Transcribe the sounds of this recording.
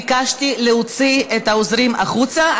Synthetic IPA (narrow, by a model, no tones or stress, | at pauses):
kaʃt̪ileot͡siet̪aozɾimaχut͡sa